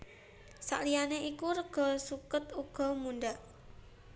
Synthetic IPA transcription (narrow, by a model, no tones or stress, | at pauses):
sa̰ʔlijaneʔikuɾəɡ̥ɔ̤sukət̪uɡ̥ɔ̤mundaʔ